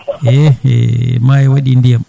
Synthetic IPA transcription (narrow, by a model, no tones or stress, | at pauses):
ʔɛɛ̰maɛwaɗindijam